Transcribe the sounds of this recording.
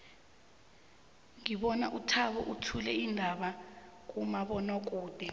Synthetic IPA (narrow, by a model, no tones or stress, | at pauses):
ŋiɓɔna̰ʔutʰaɓɔʔutʰulɛindʱaɓak̬ʼumaɓɔnɔk̬ʼuːd̥ʱɛ